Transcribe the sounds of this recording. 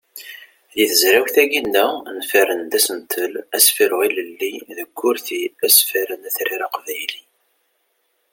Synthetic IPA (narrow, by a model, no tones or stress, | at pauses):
ðiθəzɾæwθæɡind̪ænfæɾənd̪æsənt̪ʰəlæsfiɾʁiləlːiðəɡːʊɾθiæsfiɾənæθɾiɾɑqvæjli